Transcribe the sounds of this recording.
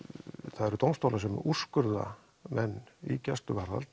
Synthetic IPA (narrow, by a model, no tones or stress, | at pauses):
θaðɛɾʏt̪owmst̪owlasɛmuskʏɾða̰ | mɛnːicɛst̪ʏvaɾða̰lt̪